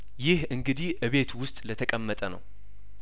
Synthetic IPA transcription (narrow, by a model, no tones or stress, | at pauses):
jɪhɨŋɡɨd̪iʔɨβe̞t̪ʰwʊst̪ʼlət̪ʰəkʼəmːət̪ʼənə̰w